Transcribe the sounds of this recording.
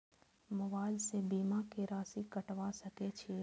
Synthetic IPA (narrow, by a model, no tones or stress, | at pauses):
məʋaːɪlsebiːmakeɾaːsikəʈʋasəket͡ʃʰi